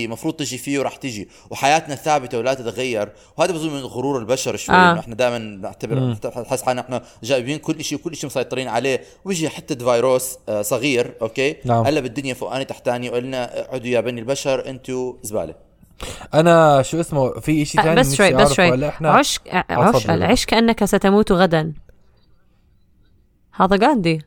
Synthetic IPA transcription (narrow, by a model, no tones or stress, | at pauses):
mɑfɾˤuːd̪̚ˤt̪ɪʒifiːwɾˤɑːħt̪ɪʒi | wħajaːt̪naθaːbɪt̪awlat̪ɪt̪ɣajːɑɾˤ | whaːd̪abzˤumɪnɣʊɾuːɾɪlbaʃɑɾˤʃwajːʔɪħnad̪aːʔmanbnɪʕt̪abɪɾt̪ħɪsːħanʔɪħnaʒaːʔɪbiːnkʊlːʔaʃiwkʊlːʔaʃimʊsɑjt̪ˤɨɾiːnʕaleːwbɪʒiħat̪ːad̪vaːjɾoːssˤɑɣiːɾʔoːkeːnaʕʔalːabɪd̪ːʊnjafʊʔa̰ːnit̪aħt̪aːniwʔalːnaʕʊd̪jabanilbaʃɑɾˤʔɪnt̪uɪzba̰ːla | ʔanaʃuːʔɪsmufiʔaʃit̪aːnbaːwaʔbaʕsɾʃwaːalːaʔɪħnaʕaʃʕʊːʃda̰lʕiːʃkaʔanːakasat̪amuːt̪uɣad̪an | haːðaɡaːnd̪i